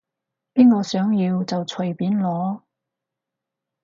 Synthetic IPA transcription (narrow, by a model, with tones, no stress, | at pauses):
piː˥nkɔː˧sœː˨˥ŋjiː˧wt͡sɐ˨wt͡sʰɵ˨˩jpiː˨˥nlɔː˨˥